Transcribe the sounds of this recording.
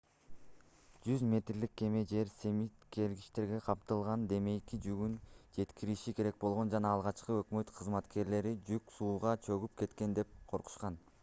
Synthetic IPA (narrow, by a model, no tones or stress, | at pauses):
d͡ʒyzmʲe̞t̪rlikːe̞me̞d͡ʒe̞ɾse̞mit̪ke̞lɡiʃt̪e̞ɾɡe̞qʰɑpt̪ɯlˠʁɑnd̪e̞me̞jkid͡ʒyɡynd͡ʒe̞t̪kiɾiʃike̞ɾe̞k̚bo̞lˠʁo̞nd͡ʒɑnɑːlˠʁɑt͡ʃqɯø̞kmø̞t̪qʰɯzmɑt̪ke̞ɾle̞ɾid͡ʒyksuːʁɑt͡ʃʰøɡyp̚ke̞t̪ke̞nd̪e̞p̚qʰo̞ɾqu̥ʃqɑn